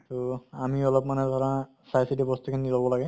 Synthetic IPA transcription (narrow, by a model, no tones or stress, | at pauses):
t̪ɔamiɔlɔp̚manɛd̪ʱɔɹã | sajsidibɔst̪ukʰinnidɔlbɔlaɡɛ